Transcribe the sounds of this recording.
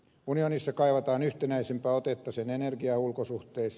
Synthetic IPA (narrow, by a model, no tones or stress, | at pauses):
unionisːɑkɑiʋɑt̪ɑːnyht̪enæisempæːot̪et̪ːɑsenenerɡiɑulkosuht̪eːs